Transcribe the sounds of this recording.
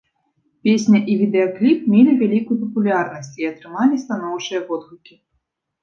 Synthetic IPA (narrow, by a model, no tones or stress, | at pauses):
pʲesʲnʲɐʔivʲid̪ɛɔklʲip̚mʲelʲivʲalʲikujupɐpulʲarnɐsʲt͡sʲiɐt̪ɾɨmalʲist̪an̪ɔwt͡ʂɨjɐvɔd̪ɣukʲi